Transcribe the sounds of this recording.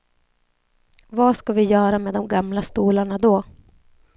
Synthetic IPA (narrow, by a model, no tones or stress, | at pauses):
vaskavɪjœːɾameːd̪ɔmɡamlast̪uːlaɳad̪ɔ